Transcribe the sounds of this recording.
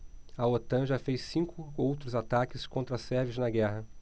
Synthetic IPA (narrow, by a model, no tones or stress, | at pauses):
ɐot̪ɐ̃ʒafejssĩŋkʊowt̪ɾʊzat̪akɪskõnt̪ɾɐsɛɾvɪʒnɐɡɛɦɐ